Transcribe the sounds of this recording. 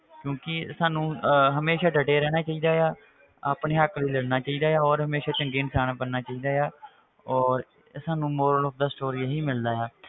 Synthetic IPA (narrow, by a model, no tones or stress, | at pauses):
kjõːkɪsaːnũːɦəmeːʃaːɖəʈeːɾɛːɽ̃aːt͡ʃaːiːd̪aːjaː | aːpɳeːəkliːləɽnaːt͡ʃaːiːd̪aːjaːɔːɾɦəmeːʃaːt͡ʃəŋɡeːnsaːñaːpənnaːt͡ʃaːiːd̪aːjaː | ɔːɾ | saːnũːmoːɾəlɔːp̚ʰd̪aːsʈoːɾiːɦiːmɪld̪aːjaː